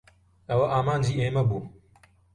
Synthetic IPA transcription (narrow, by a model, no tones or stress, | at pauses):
ɐwɐʔaːmaːnd͡ʒiːeːmɐbu